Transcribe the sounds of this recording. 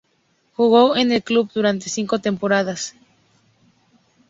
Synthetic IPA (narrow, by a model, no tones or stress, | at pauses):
xuɣowenelkluβ̚d̪uɾant̪esiŋkot̪e̞mpoɾað̞as